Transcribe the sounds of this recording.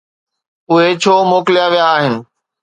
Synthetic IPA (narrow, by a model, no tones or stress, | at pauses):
ʊɦet͡ɕʰoːmoːkɪlijaʋijaːɦɪnɪ̆